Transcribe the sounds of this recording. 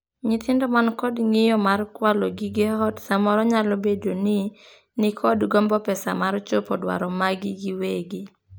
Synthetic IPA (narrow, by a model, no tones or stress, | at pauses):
ɲɪt̪ʰɪndɔmankɔdŋɪjɔmarkwaloɡɪɡɪhɔtsamɔɾɔɲalobedonɪ | nɪkʰɔdɡɔmbɔpɛsa̰maɾt͡ʃopɔdwa̰ɾɔmaɡɪɡɪweɡɪ